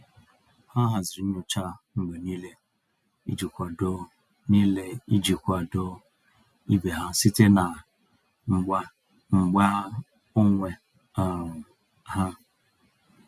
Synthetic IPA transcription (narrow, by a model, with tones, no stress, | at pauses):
ha˦ɦa˨zɪ˨ɾi˨˦ɲu˦t͡ʃa˦ŋ͡m̩˨ɡ͡be˨niː˦le˦ | ḭ˦d͡ʒi˨kʷa˨do˦ | ni˦le˦i˦d͡ʒi˨kʷa˨do˦ | i˦be˨ɦa˦si˦te˦na˨˦ | ŋ͡m̩˨ɡ͡ba˦ | o˦ŋʷe˨ | ɦa˦